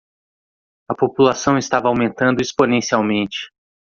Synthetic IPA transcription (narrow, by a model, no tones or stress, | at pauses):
ɐpopulasɐ̃w̃ɪst̪avɐawmẽnt̪ɐ̃nd̪ʊesponẽsiawmẽnt͡ʃɪ̥